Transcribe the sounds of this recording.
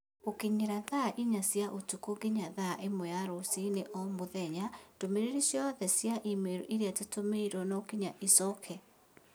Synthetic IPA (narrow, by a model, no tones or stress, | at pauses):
okiɲeɾaðaʔiɲasjaʔotukoɡiɲaðaʔemwɔjaɾosineʔɔmoðɛɲatomeɾeɾisjɔðɛsjaʔimeɾuʔiɾiatetomeiɾɔnɔokiɲaʔisɔkʰɛ